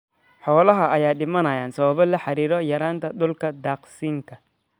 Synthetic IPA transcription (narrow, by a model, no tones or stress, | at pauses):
ħɔːlɐɦɐɐjaːɗɪmɐnɐjaːnsɐβɐβɐlɐħɑɾiːɾɔjɐɾaːnt̪ʰɐɗʊlkʰɐd̪aːqsiːŋkʰɐ